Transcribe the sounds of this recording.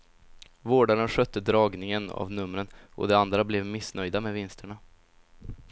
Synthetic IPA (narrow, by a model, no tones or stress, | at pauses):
voːɖaɾənɧœt̪ːəd̪ɾɑːɡnɪŋəna̰vnɵmːɾənʔɔ̰d̪ɛand̪ɾablɛvmɪsnœjd̪amɛvɪnst̪ʰəɳa